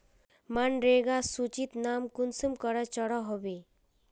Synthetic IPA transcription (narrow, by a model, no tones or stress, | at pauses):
manɾeːɡasut͡ʃit̪naːmkunsəmkəɾat͡ʃəɽaɦobe